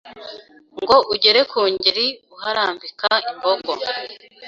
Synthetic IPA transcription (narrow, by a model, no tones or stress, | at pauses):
ŋɡo̞ʔuɟeɾe̞kuːɲɟiɾiuhaɾaːmbikaimboɡo